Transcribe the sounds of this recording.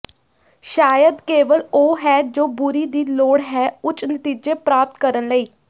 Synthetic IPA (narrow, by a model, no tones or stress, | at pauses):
ʃaːjəd̪keːʋəloːɦɛːd͡ʒoːbʊɾiːd̪iːloːɽɦɛːʊt͡ʃnət̪iːd͡ʒeːpɾaːp̚t̪kəɾənləiː